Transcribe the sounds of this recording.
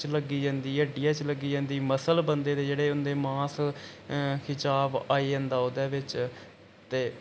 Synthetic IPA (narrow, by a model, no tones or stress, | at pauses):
t͡ʃləɡiːd͡ʒãːnd̪iːəɖiːɛːt͡ʃləɡiːd͡ʒãːnd̪iːməsəlbənd̪eːd̪eːd͡ʒeːɽeːʊnd̪eːmãːs | kʰɪt͡ʃaːbaːiːd͡ʒãːnd̪aːʊːd̪ɛːʋɪt͡ʃ | t̪eː